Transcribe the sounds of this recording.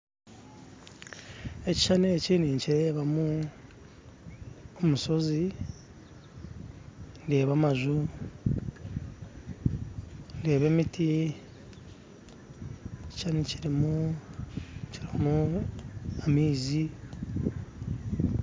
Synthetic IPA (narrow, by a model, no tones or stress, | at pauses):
e̞ci̥ʃaneciːniːɲciɾe̞ːβamu | omuso̞zi | nde̞ːβamaʒu | nde̞ːβe̞mitʰi | ci̥ʃaniciɾimu | ciɾimu | amiːzi